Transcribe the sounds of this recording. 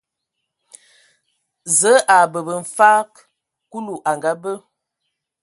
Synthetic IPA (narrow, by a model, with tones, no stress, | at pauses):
zə˨˦ʔa˨bə˨bə˨ɱ̩˨fa˦k | ku˦lu˨ʔa˨ŋɡa˨˦bə˦